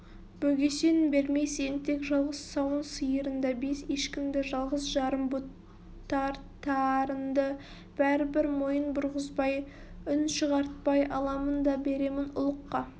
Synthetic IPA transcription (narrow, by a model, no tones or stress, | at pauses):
b̥ɵɡʲe̞se̞nɪbe̞ɾme̞jse̞nt̪ʰe̞kʒɑlˠʁəsːɑwənsəjəɾənd̪ɑbe̞seʃkʲɪmd̪ɪʒɑlˠʁəsʒɑɾəmbut̪ː | ɑɾt̪ʰɑɾənd̪ə | b̥æɾɪbɪɾmo̞jənbʊɾʁəzbɑj | ʏnʃəʁɑɾt̪̚pɑjʔɑlˠɑmənd̪ɑbe̞ɾe̞mɪnʊ̰lˠəqːɑ